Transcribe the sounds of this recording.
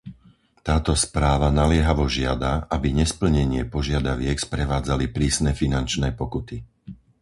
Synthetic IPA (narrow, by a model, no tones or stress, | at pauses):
t̪aːt̪ɔspɾaːʋanalɪɛɦaʋɔʒɪa̰d̪aʔabiɲɛspl̩ɲɛɲɪɛpɔʒɪad̪aʋɪɛkspɾɛʋaːd͡zalipɾiːsnɛfinant͡ʃnɛːpɔkut̪i